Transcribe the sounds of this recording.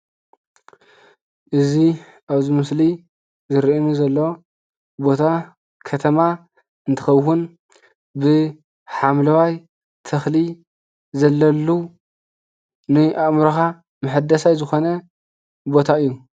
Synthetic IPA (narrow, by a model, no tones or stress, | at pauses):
ʔɨzi | ʔaβzimɨsli | zɨɾiʔɨnuzɐlːo̞ | bo̞t̪ʰa | kʰɐt̪ʰɐma | ɨnt̪ʰɨ̥xɐβhun | bɨ | ħamlɐwaj | t̪ʰɐxli | zɐlːɐlːu | nɨʔaʔmɾɐxa | mɨħɨd̪ɐsajzɨxo̞nɐ | bo̞t̪ʰaɨjːu